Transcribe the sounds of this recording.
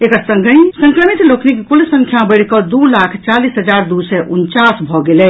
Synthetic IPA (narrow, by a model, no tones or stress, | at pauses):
ekəɾsə̃ŋɡʱə̃sə̃ŋkɾəmit̪loknikkulsə̃ŋkʰjabəɪɽ̤kəd̪ulakʰt͡ʃalisɦəd͡ʒaɾd̪usɛʔunt͡ʃasbʱɔɡelɛ